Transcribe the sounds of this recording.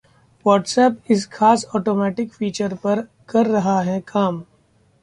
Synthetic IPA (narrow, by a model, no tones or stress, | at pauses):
ʋɔːʈsɛːpɪsxʰaːsɔːʈoːmɛːʈɪkfiːt͡ʃəɾpɐɾ | kɐɾːɐɦaɦɛkʰaːm